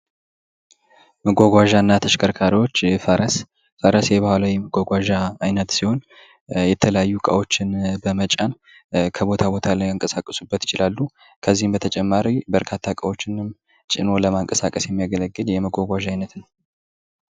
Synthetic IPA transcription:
məɡʷaɡʷaʒanːat̪ʰəʃkʰəɾkʰaɾiwo̞t͡ʃːfəɾəs | fəɾəsjɛβahʷalawjɛməɡʷaɡʷaʒaːjnət̪siho̞n | jɛt̪ʰələjajːukʼa̰wo̞t͡ʃːɪnbəmət͡ʃʼan | kʰəbo̞t̪ʰabo̞t̪ʰalajaŋkʼəsakʼːəsubːət̪jɪt͡ʃɪlalːu | kʰəzːihmbət̪ʰət͡ʃʼɛmːaɾibəɾkʰat̪ʰːakʼawo̞t͡ʃːɪnɨm | t͡ʃʼɪno̞ləmaŋkʼəsakʼəsjɛmːijaɡələɡːɨljɛməɡʷaɡʷaʒajnət̪nəw

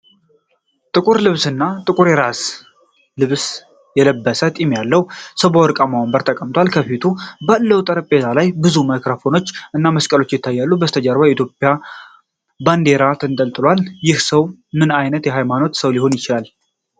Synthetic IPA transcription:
t̪ʼɨkʼuɾlɨβsɨnːat̪ʼɨkʼuɾjɛɾas | lɨβs | jɛləbːəsət̪ʼimjalːəwsəβowɔɾkʼamawəmbəɾt̪ʰəkʼəmt̪ʰwalkʰəfit̪ʰubalːəwt̪ʼəɾəpʼːet̪ʰalajbɨzuməkɾəfo̞no̞t͡ʃːʔɨnːaməskʼəlo̞t͡ʃːjɪt̪ʰːajːalːubəst̪ʰəd͡ʒaɾβajɛit̪ʰjopʼja | band̪e̞ɾat̪ʰɨnt̪ʼəlt̪ʼɨlwaljɪhsəwmɨnajnət̪jɛɦajmano̞t̪səwliho̞njɪt͡ʃɪlal

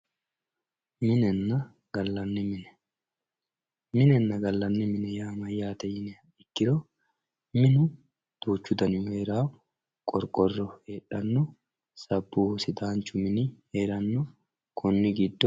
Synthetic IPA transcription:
mɪnɛnːɐ | ɡ̥ɐlːɐnːɪmɪnɛ | mɪnɛnːɐɡɐlːɐnːɪmɪnɛjaːmɐjːaːt̪ɐjɪnɛ | ɪkːɪɾɔ | mɪnʊ | d̪̥uːt͡ʃːʊd̪ɐnɪjʊheːɾaː | kʼɔɾkʼɔrːɔheːᶑɐnːɔ | sɐbːuːhsɪt̪aːnt͡ʃːʊmɪnɪheːɾɐnːɔ | kʰʊnːɪɡɪd̪ːɔ

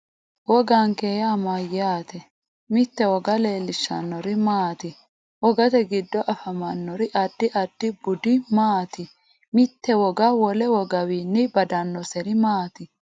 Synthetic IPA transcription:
wɔɡaŋkejamajaːt̪ɛ | mɪt̪ːɛwɔɡɐle̞ːlːɪʃːɐ̰nːɔɾɪmaːt̪ɪ | wɔɡɐt̪ɛɡɪd̪ːɔʔɐfɐmɐnːɔɾɪʔɐd̪̥ːɪʔɐd̪̥ːɪbʊd̪ɪmaːt̪ɪ | mɪt̪ːɛwɔɡɐwɔlɛwɔɡɐwiːnːɪbɐd̪ɐnːɔsɛɾɪmaːt̪ɪ

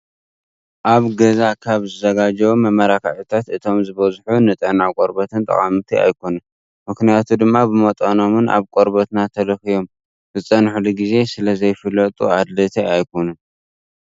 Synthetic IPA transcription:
ʔaβɡɐzakʰaβzɨzɐɡad͡ʒɐwumɐmɐɾakʰaʕħit̪ʰat̪ɨt̪ʰo̞mzɨβɐzħunɨt̪ʼɐnakʼoɾbɐt̪ʰɨnt̪ʼɐ̰χʼamɨt̪ʰia̰jkʰo̞nɐn | mɨknijat̪ʰud̪ɨmːabɨmɐt̪ʼɐno̞mɨna̰βkʼoɾbɐt̪nat̪ʰɐlɐxijo̞m | z̥ɨt͡sʼːɐnħuluɡize̞sɨlɐzɐjfɨlːɐt̪ʼṵad̪lɐt̪ʰeajkʰo̞nɐn

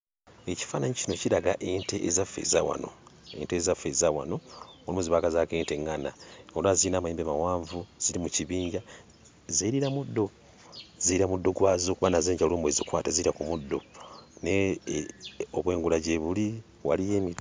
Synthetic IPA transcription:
eci̥faːnaɲicino̞ciɾaɡaʔeːnteʔezafḛza̰wa̰no̞̰ḛntezafezawa̰no̞molumuziβakazakeːnte̞ŋːanaolwaziinaːmueːmbemawaːɱvuz̥iɾimuciβiːɲɟa | zeiɾiɾamudːo̞ | ziɾamudːoɡwaːzokuβanazeːɲɟaloːmbwezikwaːtaziɾakumudːo̞ne | oβwe̞ːŋɡulaɟeβuli | wa̰lije̞mi

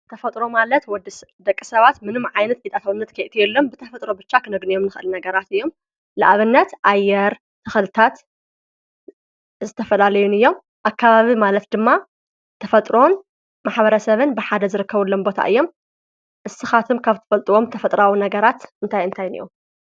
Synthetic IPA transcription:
t̪ʰɐfɐt̪ʼɾo̞malɐt̪wɔd̪id̪ɐkʼːɨsɐβat̪mɨnɨmʕajnɐt̪̚ʔit̪ʼat̪ʰawɨnːɐt̪kʰɐjʔt̪ʰijɛlːombɨt̪ʰɐfɐt̪ʼɾo̞bɨt͡ʃːakʰɨnɐɡnijo̞mnɨxʔɨlnɐɡɐɾat̪ɨjːo̞m | lɨʔaβɨnːɐt̪ʔajːɛɾ | t̪ʰɨxɨlɨt̪ʰat̪ | zɨt̪ʰɐfɐlalɐjunɨjːo̞m | ʔakʰːaβaβimalɐt̪d̪ɨmːa | t̪ʰɐfɐt̪ʼɾo̞n | maħβɐɾɐsɐβɨnbɨħad̪ɐzɨɾɨkːɐβulːombo̞t̪ʰa̰ʔɨjːo̞m | ʔɨsɨxat̪ʰɨmkʰaβt̪ʰɨ̥fɐlt̪ʼuwo̞mt̪ʰɐfɐt̪ʼɾawinɐɡɐɾat̪ɨnt̪ʰajɨnt̪ʰajnɨ̰jo̰m

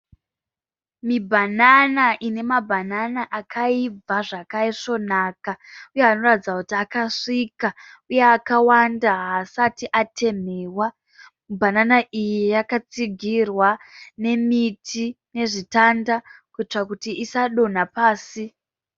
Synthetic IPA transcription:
mibʱananaʔine̞mabʱananaʔakʰaib͡vaʐakaiʂo̞nakaujeɦano̞ratid͡zakutiakaʂikauje̞akawandaɦasatiʔatʰe̞meːwa | mubʱananaʔijejakat͡siɡʱirwane̞mitʰine̞ʐitandakuit͡ʂakutiʔisaɗo̞napaːsi

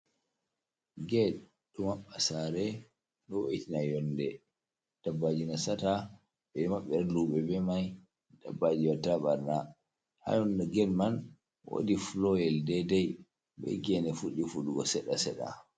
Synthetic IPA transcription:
ɡɛ | ɗumaɓːasaɾɛ | ɗɔwo̰ʔitinajɔndɛ | d̥abːad͡ʒinasata | ɓɛmaɓːɛɾluɓɛbɛmaj | da̰bːad͡ʒiwatːaɓaɾna | ha̰jɔndɛɡɛlman | wo̰diflɔjɛldɛdɛj | bɛ̰ɡɛnɛfuɗifuɗuɡɔsɛɗa̰sɛɗa̰

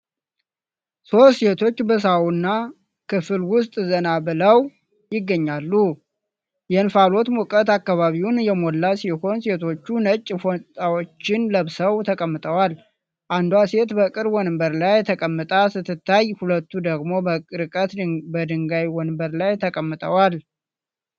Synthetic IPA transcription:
so̞se̞t̪ʰo̞t͡ʃːbəs̬awunːa | kʰɨfɨlwʊst̪ʼzənabɨləw | jɪɡːəɲːalːu | jɛnfalo̞t̪mukʼət̪akːaβaβiwunjɛmolːasiho̞nse̞t̪ʰo̞t͡ʃːunət͡ʃʼːfot̪ʼawot͡ʃːɪnləβsəwt̪ʰəkʼəmːɨt̪ʼəwal | ʔand̪wase̞t̪bəkʼɨɾwɔnɨmbəɾlajt̪ʰəkʼəmːɨt̪ʼasɨt̪ʰːɨt̪ːajhulət̪ːud̪əɡmo̞bəkʼɨɾɨkʼət̪bəd̪ɨŋɡajwɔnmbəɾlajt̪ʰəkʼəmːɨt̪ʼəwal

